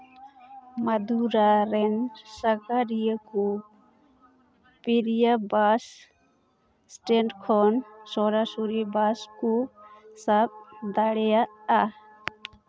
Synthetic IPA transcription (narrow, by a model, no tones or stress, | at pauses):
mad̪uɾaɾɛnsaɡaɾijəkɔ | piɾijabas | sʈɛɳɖkʰɔnsɔɾasuɾibaskɔsab̚d̪aɽɛjaʔa